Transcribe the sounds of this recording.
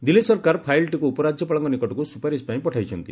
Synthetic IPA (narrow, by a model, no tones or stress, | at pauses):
d̪ilːisɔɾkaɾpʰajlʈikuupɔɾad͡ʒjɔpɔɭɔŋkɔnikɔʈɔkusupaɾispãĩpɔʈʰajt͡ʃʰɔnt̪ḭ